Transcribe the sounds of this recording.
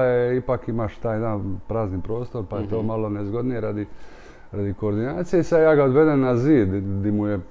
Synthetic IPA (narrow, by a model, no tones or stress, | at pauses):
jeipakimaʃt̪aːjd̪aːnpɾaːznipɾo̞ːst̪o̞ɾpajet̪oːmalonezɡod̪nijeɾad̪i | ɾad̪iko̞ːɾd̪inaːt̪sijeisad̪jaːɡaod̪ʋe̞d̪ennaziːd̪d̪imuje